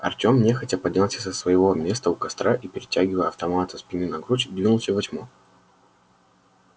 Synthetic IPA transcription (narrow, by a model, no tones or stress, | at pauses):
ɐ̰rtʲomnʲexɐtʲɐpɐdʲnʲalˠsʲə̥səsvəjɪvo̞mʲe̞st̪əʊkɐst̪ɾaʔipʲɪɾʲɪtʲæɡʲɪvəjɐft̪ɐmat̪əspʲɪnɨnɐɡɾut͡ɕd̪vʲinʊlˠsʲəvɐt͡ɕʲmo